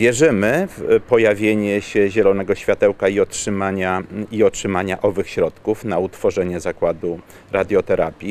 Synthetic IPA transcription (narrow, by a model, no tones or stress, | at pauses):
vʲjɛʐɘmɘfpɔjavʲjeɲɛɕɛʑɛlɔnɛɡɔɕfʲjat̪ɛwkaiɔtʂɘmaɲaiɔtʂɘmaɲaʔɔvɘxɕɾɔt̪kufnaut̪fɔʐɛɲɛzakwad̪u | ɾad̪ʲjɔt̪ɛɾapʲji